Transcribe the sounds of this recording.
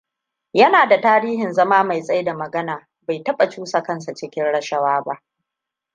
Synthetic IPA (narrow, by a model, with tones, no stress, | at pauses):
jɐ˦naː˨da˨taː˦ɾiː˦ɦɪ˨nzɐ˦maː˦ma˨jsʼɐ˦jda˨mɐ˨ɡɐ˦naː˨ | ba˨jtɐ˦ɓa˨t͡ʃuː˦sa˨kɐ˦ns̬a˨t͡ʃɪ˦kʲɪ˦nɽɐ˦ʃɐ˦waː˦ba˦ʔ